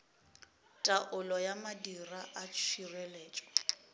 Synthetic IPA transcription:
tʼaʔʊlɔjamadiraʔat͡ʃʰirɛleːt͡ʃʼɔ̥

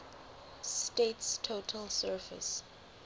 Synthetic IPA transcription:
stetstʰotʰəlsɜːfɪ̰s

